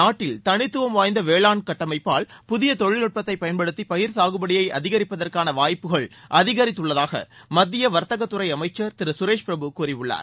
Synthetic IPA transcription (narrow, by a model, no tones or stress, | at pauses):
naːʈːɪlt̪ɐnɪt̪ːɯʋɐmʋaːjnd̪ɐʋeːɭaːnkɐʈːɐmɐɪpːaːɭpʊðɪjɐt̪ɔɭːɪlɯʈ̚pɐt̪ːɐɪpːɐjɐnpɐɽɯt̪ːipɐjɪɾsaːɣɯbɐɽɪjɐɪʔɐ̰ðɪɣɐɾɪpːɐðɐrkaːnɐʋaːjpːɯɣɐɭʔɐðɪɣɐɾɪt̪ːɯɭːɐðaːɣɐ̰mɐd̪ːɪjɐʋɐɾt̪ɐɣɐt̪ːɯɾɐɪɐmɐɪt͡ʃːɐɾt̪ɪɾɯsʊɾeːʂpɪɾɐbɯkuːɾɪʋɯɭːa̰ːɾ